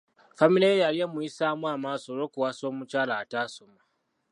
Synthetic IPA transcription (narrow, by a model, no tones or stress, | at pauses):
familejejalijemuisaːmwaːmaːso̞ɾo̞kuwaso̞ːmucaːlaːtasoma